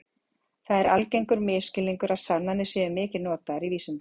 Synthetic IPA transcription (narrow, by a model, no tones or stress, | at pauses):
θaðɛɾalcejŋkʏɾmɪːscɪlːiŋkʏɾaðsananɪsjɛːɪmɪːcɪnɔːt̪aɾiviːsʏn